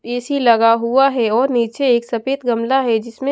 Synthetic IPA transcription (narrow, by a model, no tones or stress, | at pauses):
eːsilɐɡaɦuaɦɛɔːɾniːt͡ʃeeːksɐpeːt̪ɡɐmlaɦɛd͡ʒɪsmẽ